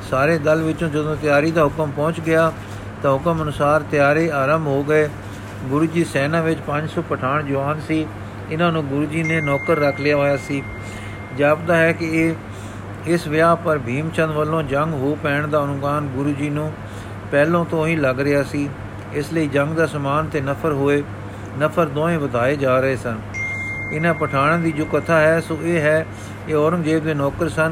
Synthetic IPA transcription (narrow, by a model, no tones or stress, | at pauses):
saːɾeːd̪əlʋɪt͡ʃõːd͡ʒəd̪õːt̪ɪjaːɾiːd̪aːɦʊkəmpɔ̃ːt͡ʃɡɪjaː | t̪ãːɦʊkəmənʊsaːɾt̪ɪjaːɾeːaːɾəmbɦoːɡəeː | ɡʊɾuːd͡ʒiːsɛːnãːʋɪt͡ʃpəɲd͡ʒsɔːpəʈʰaːɳd͡ʒʊaːnsiː | ɪnãːnũːɡʊɾuːd͡ʒiːneːnɔːkəɾːəkʰleaːaːjaːsiː | d͡ʒaːbd̪aːɦɛːkɪː | ɪsʋɪaːpəɾbʱiːmt͡ʃə̃nd̪ʋəlːõːd͡ʒəŋɡɦoːpɛːɳd̪aːʊnʊkaːnɡʊɾuːd͡ʒiːnũː | pɛːlõːt̪õːĩːləɡɾɪaːsiː | ɪsləiːd͡ʒəŋɡd̪aːsəmaːnt̪eːnəpʰəɾɦoːeː | nəpʰəɾd̪õːẽːbəd̪ʱaːeːd͡ʒaːɾəeːsən | ɪnãːpəʈʰaːɽ̃ãːd̪iːd͡ʒoːkət̪ʰaːɦɛːsoːeːɦɛː | eːɔːɾə̃ŋɡd͡ʒeːbd̪eːnɔːkəɾsən